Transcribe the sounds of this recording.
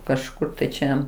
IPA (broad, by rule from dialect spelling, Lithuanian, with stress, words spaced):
kɐʃˈkʊr ˈt͡ʃʲɛ